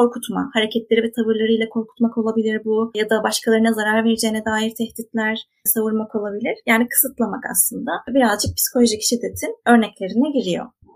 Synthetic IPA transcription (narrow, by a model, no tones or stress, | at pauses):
ko̞ɾkʰut̪ma̰haɾecʰɛt̪lʲe̞ɾivɛt̪ʰavɯɾlˠaɾɯjlʲˠakʰo̞ɾkʰu̥t̪mako̞lˠabilʲiɾbujad̪abaʃkʰalˠaɾɯnazaɾaɾveɾid͡ʒɛjinɛd̪aːjiɾt̪ʰɛhd̪it̪lʲæɾ̥ | savuɾmakolˠabilʲiɾ̥jaːnikʰɯ̥sɯt̪lˠamaka̰slˠɯnd̪abiɾazd͡ʒɯk̚pʰi̥si̥kʰo̞lʲoʒicʰi̥ʃid̪ːet̪ʰinø̞ɾnɛclʲe̞ɾinɛɟiɾijo̞̰